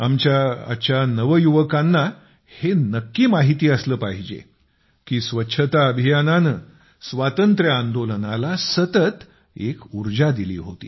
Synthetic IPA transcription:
amt͡ɕaa̰ɕjanəʋəjuʋəkãnːa | henəkːiːmaɦit̪iːəsləːpaɦid͡ʑḛ | kiːsʋətːɕʰət̪aəbʱijananəː | sʋat̪ənt̪ɾjəãnd̪olənalasət̪ət̪ | ekuɾd͡ʑad̪ilḭːɦo̰t̪ḭː

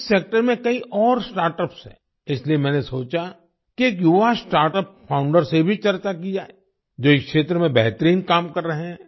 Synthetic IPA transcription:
seːk̚ʈəɾmẽkɐiʔɔːɾsʈaːɾʈəpsɦɛ̰̃ | ɪsliemɛ̃ːnesoːt͡ʃa | kieːkjʊʋasʈaːɾʈəp̚pʰãːʊ̃ɳɖəɾsebʱit͡ʃɐɾt͡ʃak̬id͡ʒaːe | d͡ʒoːɪkʃeːt̪ɾəmẽbɛɦt̪əɾiːnkaːmkɐɾːɐɦeɦɛ̃ː

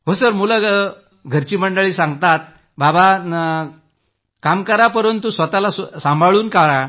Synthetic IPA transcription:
ɦosəɾmula | ɡʱəɾt͡ɕiːməɳɖəɭiːsãŋɡt̪at̪̚ | baba | kamkəɾapəɾənt̪ːusʋət̪alassambʱaɭuːnkaɾa

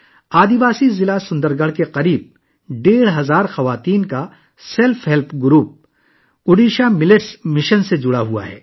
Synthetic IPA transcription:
aːd̪iʋaːsizɪlasʊ̃nd̪əɾɡəɽ̤keqɐɾiːb̚ | ɖeːɽɦɐzaːɾxɐʋaːt̪iːnka | sɛlfɦɛlpɡʊɾuːp̚ | ʊɖiːʃamɪlɪʈsmɪʃənsed͡ʒʊɽaɦua̰ɦɛ̰ː

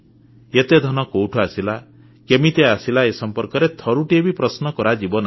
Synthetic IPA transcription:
et̪ed̪ʱɔnɔkowʈʰɔasila | kemit̪easilaesɔmpɔɾkɔɾet̪ʰɔɾuʈiebipɾɔsnɔkɔɾad͡ʒibɔna

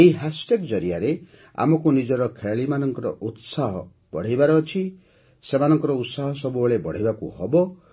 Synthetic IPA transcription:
eiɦasʈekd͡ʒɔɾiaɾe | a̰mɔkunid͡ʒɔɾɔkʰeɭaɭimanɔŋkɔɾɔʔut̪saɦɔ | b̥ɔɽ̤ijbaɾɔːt͡ʃʰi | semanɔŋkɔɾɔut̪saɦɔsɔbubɔɭebɔɽ̤ijbakuhɔbɔ

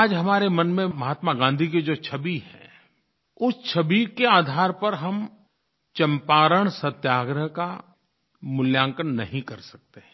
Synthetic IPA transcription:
aːd͡ʒɦɐmaːɾemɐnmẽmɐɦaːt̪maɡãːnd̪ʱiked͡ʒoːt͡ʃʰɐbiɦɛ̰̃ː | ʊst͡ʃʰɐbikeaːd̪ʱaːɾpɐɾɦɐm | t͡ʃɐ̃mpaːɾəɽ̃sɐt̪jaːɡɾəɦka | mʊljãːŋkənnɐɦĩkɐɾsɐ̥k̚t̪eɦɛ̃

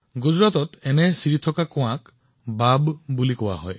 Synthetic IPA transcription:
ɡud͡ʒɾat̪ɔt̪enesiɾit̪ʰɔkakɔãk | babbulikɔwa̰ɦɔ̰j

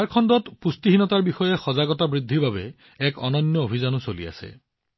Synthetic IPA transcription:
aɹkʰɔndɔtpustiɦinɔtaɹbixɔjɛxɔzaɡɔtabɹid̪ʱːibʱabɛ | ɛkɔnɔnjɔobʱizanʊsolḭa̰sɛ̰

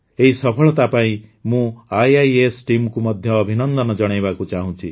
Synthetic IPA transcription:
eɦisɔpʰɔɭɔt̪apaĩmũajajesʈimkumʌd̪ʱjɔːbʱinɔnd̪ɔnɔd͡ʒɔɽ̃ajbakut͡ʃaɦũt͡ʃʰi

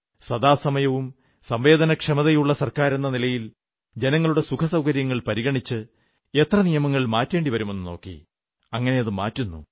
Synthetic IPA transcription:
sɐd̪aːsɐmɐjɐʋum | sɐmʋe̞ːd̪ɐnɐkʂemɐðɐjuɭːɐsɐrkaːɾe̞nːɐnilɐjil | d͡ʑe̞nɐŋːɐɭuɽe̞sukʰɐsɐwkɐɾjɐŋːɐɭpɐɾiɣɐɳit͡ɕːɨ | e̞t̪rɐnijɐmɐŋːɐɭilmaːtːe̞ːɳɖiʋɐɾume̞nːɨno̞ːkːḭ | ɐŋːɐne̞jɐðɨmaːtːunːṵ

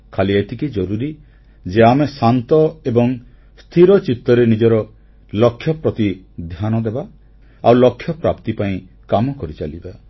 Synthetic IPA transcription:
kʰaliajt̪ʰikid͡ʒɔɾuɾi | d͡ʒeamesant̪ɔebɔŋ | st̪ʰiɾɔt͡ʃit̪ːɔɾenid͡ʒɔɾɔ | lɔkʰjɔpɾɔt̪i | d̪ʱjanɔd̪eba | awlɔkʰːjɔpɾapt̪ipaĩ | kamɔkɔɾit͡ʃaliba

